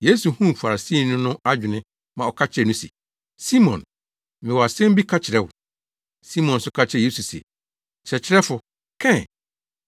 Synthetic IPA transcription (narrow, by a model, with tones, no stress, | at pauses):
je˦su˨hũ˦˨fa˨ɾa˨si˦˨nʊ̃˦nʊ̃˦ʔa˦d͡ʑᶣɪ˨nɪ̃˦ | mã˨ɔ˨kʰa˦t͡ɕʰɪ˨ɾɛ˨nʊ̃˦sḭ˨ | si˦mɔ̃˨n | mɪ̃˨wɔ˨a˨sɛ̃˦m˦bi˦kʰa˦t͡ɕʰɪ˨ɾɛ˦wʊ̰˨ | si˦mɔ̃˨nsʊ˦kʰa˦t͡ɕʰɪ˦ɾɛ˨je˦su˨sḛ˨ | t͡ɕʰɛ˨t͡ɕʰɪ˦ɾɛ˦fʊ˨ | kʰɛ̃˦˨